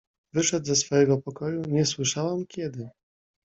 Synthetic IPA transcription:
vɘʂɛd̪zɛsfɔjɛɡɔpɔkɔjuɲɛswɘʂawamkʲɛd̪ɘ

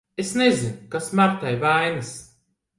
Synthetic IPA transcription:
esnezinkasmaɾt̪ajvajnɨs

